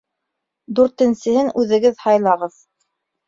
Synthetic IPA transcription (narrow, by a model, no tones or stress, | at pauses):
d̪ʉɾt̪ɘ̆nsɘ̆hɘnʉðɘ̆ɡɘðhɑjlˠɑʁɤð